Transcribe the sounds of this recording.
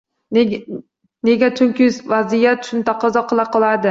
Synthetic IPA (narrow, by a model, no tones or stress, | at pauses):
neɡʲat͡ʃʰʊŋkʲɪvazijat̪ʊ̥ʃʰʊnt̪ʰaqʰɑzɒqʰɨlˠaqʰɨlˠaɾd̪ɪ